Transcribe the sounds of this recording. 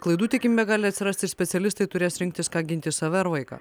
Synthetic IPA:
klˠɐɪd̪uːt̪ʲɛkʲɪmʲbʲɛɡɑːlʲɪɐt̪sʲɪɾɐsʲt̪ʲɪsʲpʲɛt̪sʲɛlʲɪst̪ɐɪt̪ʊɾʲeːsɾʲɪŋʲk̚ʲt̪ʲɪskɑːɡʲɪnʲt̪ʲɪsɑːʋʲɛɾʋɐɪkɑ̰ː

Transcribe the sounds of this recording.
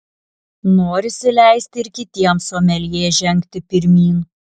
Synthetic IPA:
noːɾʲɪsʲɪlʲæˑɪsʲt̪ʲɪɪɾkʲɪt̪ʲiɛmsoɔmʲɛlʲjeːʒʲɛŋʲkʲt̪ʲɪpʲɪɾʲmʲiːn

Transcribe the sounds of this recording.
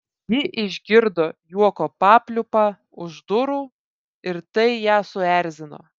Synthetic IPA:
jɪʔɪʒʲɡʲɪɾd̪oːjuɔkoːpɑːpʲlʲʊpɑː | ʊʒd̪ʊɾuː | ɪɾt̪ɐɪjæːsʊæɾʲzʲɪno̰ː

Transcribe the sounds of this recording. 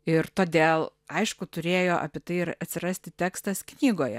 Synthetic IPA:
ɪɾt̪oːd̪ʲeːlˠ | ɐɪʃkʊt̪ʊɾʲeːjoːʔɐ̰pʲɪt̪ɐɪɪɾɐt̪ʲsʲɪɾɐsʲt̪ʲɪt̪ʲæːkst̪ɐsknʲiːɡoːjɛ

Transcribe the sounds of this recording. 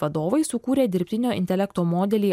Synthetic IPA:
ʋɐd̪oːʋɐɪsʊkuːɾʲeːd̪ʲɪɾʲpʲt̪ʲɪnʲoːʔɪ̰nʲt̪ʲɛlʲɛkt̪oːmoːd̪ʲɛlʲiː

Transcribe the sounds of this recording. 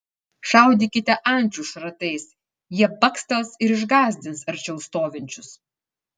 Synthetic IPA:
ʃɑˑʊd̪ʲiːkʲɪt̪ʲɛʔɐnʲˑt͡ʃʲuʃɾɐt̪ɐɪs | jiɛbɐkst̪ɐsɪɾɪʒɡɑːzʲd̪ʲɪnsɐɾʲt͡ʃʲɛʊst̪oːʋʲɪnʲt͡ʃʲʊs

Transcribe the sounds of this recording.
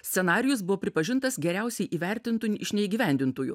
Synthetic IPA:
sʲsʲɛnɑːɾʲɪjʊsbʊʋoːpʲɾʲɪpɐʒʲɪnt̪ɐsɡʲɛɾʲæˑʊsʲɛɪʔiːʋʲɛɾʲt̪ʲɪnt̪uːɪʃʲnʲɛiːɡʲiːʋʲɛˑnʲd̪ʲɪnt̪uːjṵ

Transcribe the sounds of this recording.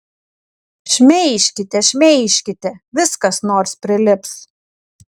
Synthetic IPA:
ʃʲmʲɛɪʃʲkʲɪt̪ʲɛʃʲmʲɛɪʃʲkʲɪt̪ʲɛʋʲɪskɐsnoːɾspʲɾʲɪlʲɪps

